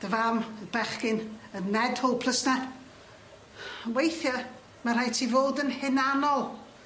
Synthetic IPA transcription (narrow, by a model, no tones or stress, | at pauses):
d̥əvaməbɛχkɪnənmɛdhɔlˠpʰl̥ˠəsna | wejθjɔ | mar̥ajtʰivoːdənhɪnanɔlˠ